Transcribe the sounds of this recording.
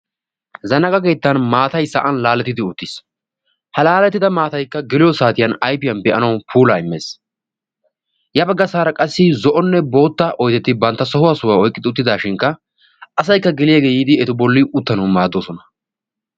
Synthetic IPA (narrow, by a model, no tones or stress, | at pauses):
zɐnɐkʼɐɡe̞ːt̪ːɐnmaːt̪ɐjsɐʔɐnlaːlːɛt̪ːɪd̪ɪʊt̪ːɪs | hɐlaːlɛt̪ːɪd̪ɐmaːt̪ɐjkːɐɡɪlɪjɔsaːt̪ɪjɐnɐjpɪjɐnbɛʔɐnɐwpʰuːlaːɪmːeːs | jɐbɐɡːɐsaːɾɐkʼɐsːɪzɔʔɔnːɛbo̞ːt̪ːɐʔɔjt̪ɛt̪ːɪbɐnt̪ːɐsɔhʊwasʊwaːɔjkʼɪd̪ɪʊt̪̬ːɪd̪aːʃɪŋkːɐ | ʔɐsɐjkːɐɡɪlɪjaɡeːjiːd̪ɪɛt̪ʊbɔlːɪʔʊt̪ːɐnɐwmaːd̪ːoːsɔnɐ̥